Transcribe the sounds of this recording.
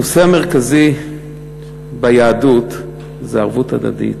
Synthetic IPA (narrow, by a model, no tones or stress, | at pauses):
oseameʁkazi | bejaːdut | zeaʁvutad̪a̰dḭt